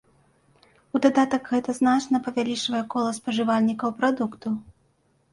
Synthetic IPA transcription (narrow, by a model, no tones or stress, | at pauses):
ud̪ad̪at̪ɐkɣɛt̪ɐznat͡ʂnɐpɐvʲalʲit͡ʂvɐjɛkɔlˠɐspɐʐɨvalʲnʲikɐwpɾad̪ukt̪u